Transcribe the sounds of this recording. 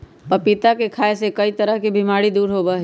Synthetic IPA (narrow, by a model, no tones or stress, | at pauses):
pɐpit̪akekʰaːesekɐit̪əɾəɦkibʱimaːɽid̪uːɾɦoːbaɦ